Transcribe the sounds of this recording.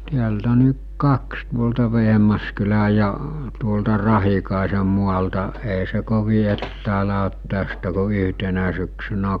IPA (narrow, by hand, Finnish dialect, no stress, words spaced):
tiæltæ ni kɑks tuoltɑ ʋeɦmɑskylæj̆ jɑ tuoltɑ rɑhikɑˑese muɑltɑ eˑe̝ se koʋi etːæːlæ ot tæstæ ko yɦtenæ syksynæ